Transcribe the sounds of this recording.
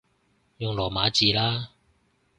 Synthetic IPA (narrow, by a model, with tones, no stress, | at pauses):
jʊ˨ŋlɔː˨˩maː˨˥t͡siː˨laː˥